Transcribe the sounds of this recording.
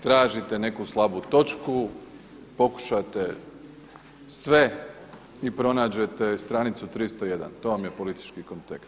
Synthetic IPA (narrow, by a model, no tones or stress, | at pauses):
t̪ɾaːʒit̪ene̞kuslˠabut̪o̞t͡ʃku | po̞ku̥ʃat̪e | sʋe̞ | ipɾo̞naːd͡ʑe̞t̪e̞st̪ɾanit̪sut̪ɾist̪oje̞d̪a̰nt̪o̞ʋamje̞po̞lit̪i̥t͡ʃkiko̞nt̪ekst̪